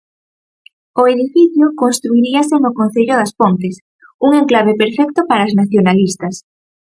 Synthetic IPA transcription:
ʊeðifiθjʊkonst̪ɾuiɾiɐsenʊkonθeʎʊðɐspont̪es | uŋeŋklaβepeɾfɛk̚t̪ʊpaɾaznaθjonalist̪ɐs

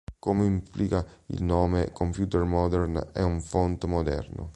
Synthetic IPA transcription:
koːmeimplikaḭlnoːmekompjuːt̪ɛrmɔd̪ɛrnɛ̰uɱfont̪mod̪ɛ̰rno̰

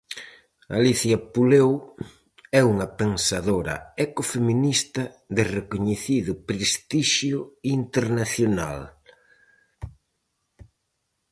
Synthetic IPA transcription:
a̰liθjɐpulew | ɛuŋɐpeŋsaðoɾɐ̰ekofeminist̪ɐ | ðɪrekoɲeθiðʊpɾest̪iʃjʊint̪eɾnaθjona̰l

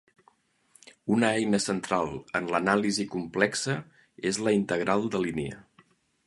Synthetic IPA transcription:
unəɛjnəsənt̪ɾalˠənlənalizikumplɛksə | ezləint̪əɣ̞ɾalˠd̪əliniə̰

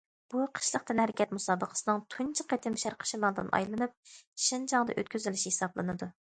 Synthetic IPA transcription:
b̥uqʰə̥ʃlˠəqt̪ɨnhæɾɪkʲʰɛt̪musɑːbəqʰə̥sɨnɨŋt̪ʰunt͡ʃʰɪqʰet̪ʰɪmʃæɾqʰə̥ʃimɑlˠd̪ɨ̰nʔɑ̰jlˠɨnɨp̚ʃind͡ʒɑŋd̪ɨ̰ʔø̰t̪̚ʲkʲyzylɪʃihesɑblˠɨnɨd̪u

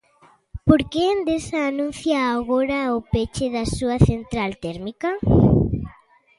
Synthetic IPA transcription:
poɾkend̪esaːnũn̟θjaːɣoɾɐʊpet͡ʃeðɐsuɐθent̪ɾalt̪ɛɾmikɐ

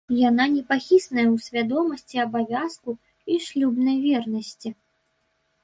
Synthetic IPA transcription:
jananʲɛpaxʲisnɐjɛwsʲvʲad̪ɔmɐsʲt͡sʲiɐbavʲasku | iʂlʲubnɐjvʲɛrnɐsʲt͡sʲi

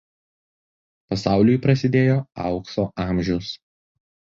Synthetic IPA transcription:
pɐsɑˑʊlʲʊjpɾɐsʲɪd̪ʲeːjoːɑʊksoːʔɑːˑmʲʒʲɛʊs

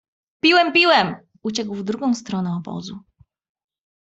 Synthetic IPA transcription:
pʲiwɛmpʲiwɛm | ut͡ɕɛɡwvd̪ɾuɡɔ̃w̃st̪ɾɔnɛɔbɔ̰zu

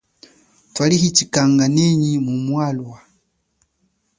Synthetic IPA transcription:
twalihit͡ʃikaŋɡanɛɲimumwalwa

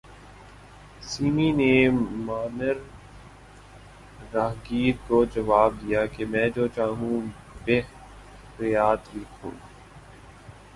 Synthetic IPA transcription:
siːminemaːnəɾ | aːɦɡiːɾkod͡ʒɐʋaːb̚d̪ijaːkemɛ̃ːd͡ʒoːt͡ʃaːɦũ | beː | ɾɪjaːt̪bikʰo̰ː

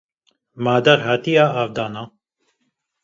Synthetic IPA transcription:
maːd̪ɛɾhaːt̪ijaːaːvd̪ɑːnaː

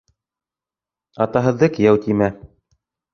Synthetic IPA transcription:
ɑt̪ɑɦɤ̆ðːɤkɘ̆jæwt̪imæ

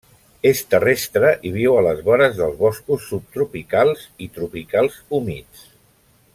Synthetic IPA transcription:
est̪ərest̪ɾəʔiβ̞iwələzβɔɾəzðəlˠzβɔskusːup̚t̪ɾupikalˠzit̪ɾupikalˠzumit͡s

